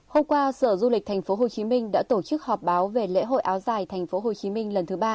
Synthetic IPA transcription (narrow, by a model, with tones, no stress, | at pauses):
ho˧mkwaː˧sə̰ː˧˩zu˧lï˨˩k̟̚t̪ʰa˨˩ŋ̟fo˨˦ɦo˨˩t͡ɕi˨˦mï˧ŋ̟ɗa̰ː˧˥t̪o˧˩t͡ɕɨ˦˥k̚hɔ˨˩p̚ɓaː˨˦wve˨˩lḛ˧˥ɦo̰˧˨jʔaː˨˦wzaː˨˩jt̪ʰŋ̟fo˨˦ɦo˨˩t͡ɕi˨˦mï˧ŋ̟lə˨˩nt̪ʰɨ˨˦ɓaː˧